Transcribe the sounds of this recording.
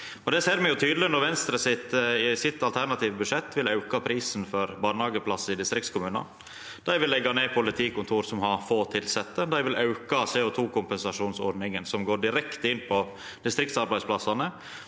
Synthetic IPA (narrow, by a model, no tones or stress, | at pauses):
ɔd̪ɛseːɾmɛjʊt̪ʰyːd̪əlɪnɔɾʋɛnst̪ɾəsɪt̪ɪsɪt̪ːɑlt̪ʰæɾɳɑt̪ʰiːʋəbʉʂɛt̪ːʋɪlɑʉkɑpʰɾiːsnfɔɾbɑːnhɑːɡəpʰlɑsɪd̪ɪst̪ɾɪk̚t̪skʊmʉːnɑ̰ | d̪̥æɪʋɪlɛɡːɑneːpʰʊlɪt̪ʰiːkʊnt̪ʰuːɾsɔmhɑɾfoːt̪ʰɪlsɛt̪ːəd̪æɪʋɪlɑʉkɑseːɔt̪ʰuːkʰʊmpɛnsɑʂuːnsɔ̰ɖ̪nɪŋənsɔmɡoːɖɪɾɛkt̪əɪnːpʰɔ | d̪̥ɪst̪ɾɪk̚t̪sɑɾbæɪsplɑsːɑnə